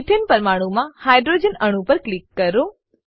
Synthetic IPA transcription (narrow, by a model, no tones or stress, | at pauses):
ʈʰenpəɾmaɽ̃ũmãhajɖɾod͡ʒənəɽ̃ũpəɾklikːəɾo